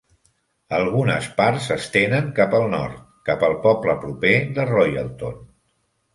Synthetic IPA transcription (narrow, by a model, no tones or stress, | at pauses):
əlˠɣunə̰spaɾzəst̪enəŋkapəlˠnɔ̰ɾt̪̚kapəlˠpɔpləpɾupeðərɔjə̰lˠt̪on